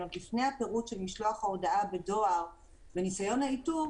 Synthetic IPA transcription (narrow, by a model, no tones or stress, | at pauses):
lifne̞jhape̞ʁutʃelmiʃlo̞aχhaodaabe̞do̞aʁ | benisajo̞nhaitu